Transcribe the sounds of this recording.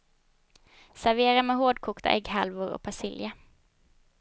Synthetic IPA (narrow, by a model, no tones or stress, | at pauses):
sæɾveːɾameːhoːd̪kʰuːkt̪ʰa̰ʔɛɡhalvʊɾɔ̰k̚pʰasɪlja